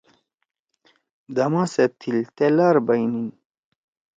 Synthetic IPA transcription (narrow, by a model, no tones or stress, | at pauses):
d̪ɐmãːset̪ʰilt̪elaːɾbɐjnin